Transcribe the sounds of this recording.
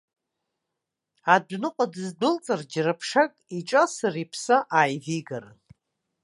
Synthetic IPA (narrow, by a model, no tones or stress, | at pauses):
adʷnɨqʼadɨzdʊlt͡sʼard͡ʒrapʰʂakʼiʈ͡ʂʼasaripʰsaʔaːjviɡarɨn